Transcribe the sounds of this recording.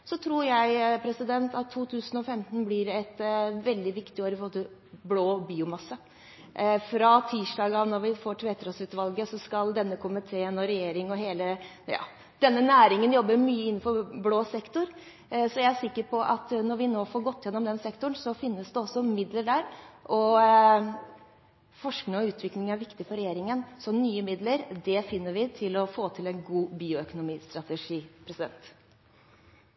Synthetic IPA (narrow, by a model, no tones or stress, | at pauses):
sɔt̪ʰɾuːɾjæɪpʰɾɛsɪd̪ɛnt̪ʰɑt̪ʰːuːt̪ʰʉːsnɔfɛmt̪nblɪɾɛt̪ʋɛld̪ɪʋɪkt̪ɪoːɾɪpʰloːt̪ə | bloːbiːʊmɑsːə | fɾɑt̪ʰiːʂɖɑːɡəɑʋnɔɾʋɪfoːʈʰʋeːt̪ʰɾɑsʉːt̪ʋɑlɡəsɔskɑld̪ɛnːəkʰʊmət̪ʰeːnɔɾɛjeːɾɪŋɔɦeːlə | jɑ̰ː | d̪̥ɛnːənæːɾɪŋənjɔbːəmyːəɪnːn̩fɔɾbloːsɛkt̪ʊɾ | sɔjæɪæsɪkːəɾpʰɔʔɑt̪nɔɾʋɪnoːfɔːɾɡɔt̪ːjɛnːɔmd̪ɛnsɛkt̪ʊɳsɔfɪnːəsd̪ɛɔsːɔmɪd̪ləɖæːɾʔɔ | fɔʂknɪŋɔʉːt̪ʰʋɪklɪŋæɾʋɪkt̪ɪfɔɾɛjeːɾɪŋənsɔmnyːəmɪd̪ləɾd̪ɛfɪnːəɾʋɪt̪ʰɪlɔfoːt̪ʰɪlɛnɡuːbiːʊœkʊnʊmiːst̪ɾɑt̪ɛʂiːpʰɾɛsɪd̪ɛ̰nt̪